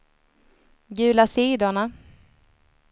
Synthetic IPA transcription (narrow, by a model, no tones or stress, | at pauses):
ɡʉ̟ːlasiːd̪ʊɳa